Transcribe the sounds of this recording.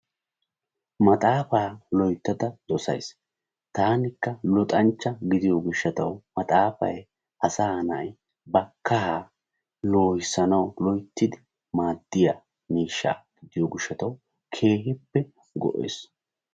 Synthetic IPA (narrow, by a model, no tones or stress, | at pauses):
mɐt̪ʼaːfaːlɔjt̪ːɐd̪ɐd̪̥ɔsɐ̰js | t̪aːnɪkːɐlɔt̪ʼɐnt͡ʃːɐɡɪd̪ɪjoɡʊʃːɐt̪ɐwmɐt̪ʼaːfɐ̰j | ʔɐsaːnɐ̰j | bɐkɐɦa | lo̞ːjɪsɐnɐwlɔjt̪ːɪd̪ɪ | maːd̪ːɪjaː | miːʃːa̰ːɡ̥ɪd̪ɪjoɡɪʃːɐt̪ɐw | kʰe̞ːɦɪpːɛ | ɡɔ̰ʔḛːs